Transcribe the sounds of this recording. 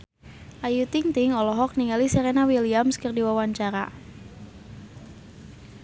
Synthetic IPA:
ʔajut̪ɪŋt̪ɪŋɔlɔɦɔk̚niŋɡalisɛɾenawiliamskərdiwawaɲt͡ʃaɾa̰

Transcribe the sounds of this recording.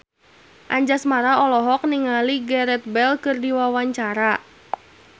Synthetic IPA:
ʔaɲd͡ʒasmaɾaɔlɔɦɔk̚niŋaliɡɛɾɛt̪̚bɛlkɨrdiwawaɲt͡ʃaɾa

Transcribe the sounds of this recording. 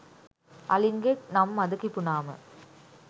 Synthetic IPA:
ʔɐ̰lɪŋɡenɐmːɐðɯkːipːʊnaːmɐ̰

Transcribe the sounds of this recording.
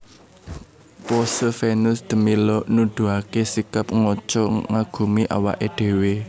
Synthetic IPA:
pɔsəfenʊsd̪̥ə̤milɔnud̪̥ṳakesikap̚ŋɔt͡ʃɔŋaɡ̥ṳmiʔa̰wa̰ʔeɖ̪̥e̤we

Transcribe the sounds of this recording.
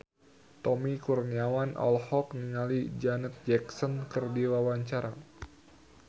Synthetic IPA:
t̪ɔmikurniawanʔɔ̰lhɔk̚niŋalid͡ʒanɛt̪̚d͡ʒɛksɔnkɨrdiwawaɲt͡ʃaɾa

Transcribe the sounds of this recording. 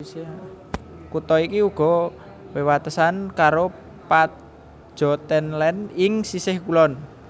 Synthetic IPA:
kut̪ɔikiuɡ̥ɔ̤ | wewat̪əsankaɾo | pat̪ | ʒ̥ɔ̤t̪ɛnlɛnɪŋsisɪhkulɔn

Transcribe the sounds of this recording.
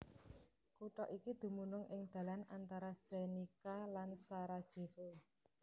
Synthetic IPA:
kuʈɔʔikid̪̥ṳmunʊŋʔɪŋd̪̥ä̤lanant̪aɾasenikalansaɾad̥ʒ̥e̤fo

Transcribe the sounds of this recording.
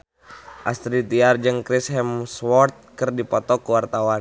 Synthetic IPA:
ʔast̪ɾit̪iard͡ʒɨŋkɾisɦɛmswɔrt̪̚kərdipɔt̪ɔkuwart̪awan

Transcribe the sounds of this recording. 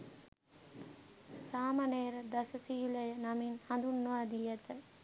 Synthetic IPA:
saːmɐneːɾəd̪ɐsəsijulɐjənaminhɐnd̪unːuʋaːd̪ijɐt̪ə

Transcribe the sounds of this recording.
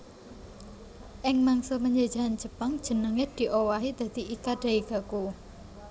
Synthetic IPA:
ʔɪŋmaŋsopəɲd͡ʒad̥d͡ʒ̥a̤ɦand͡ʒəpaŋd̥ʒ̥ə̤nəŋed̪̥i̤ʔowaɦid̪̥ä̤d̪̥iʔikaɖ̥a̤iɡ̥a̤ku

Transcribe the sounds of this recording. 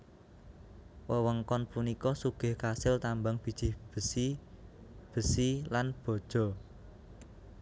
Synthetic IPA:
wəwəŋkɔnpunikɔsuɡ̥ɛ̤hkasɪlt̪ambaŋb̥i̤d̥ʒ̥ib̥əsi | b̥ə̤silanb̥ɔ̤d̥ʒ̥ɔ̤

